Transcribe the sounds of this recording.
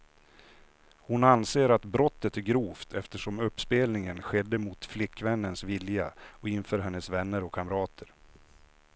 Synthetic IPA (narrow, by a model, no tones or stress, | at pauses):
hʊnanseːɾat̪bɾɔt̪ːət̪æɾɡɾuːft̪ʰɛft̪əʂɔmɵpːspeːlnɪŋənɧɛd̪ːəmʊt̪flɪkːvɛnːənsvɪljaɔɪnfœːɾɦɛnːəsvɛnːəɾɔkʰːamɾɑːt̪ʰəɾ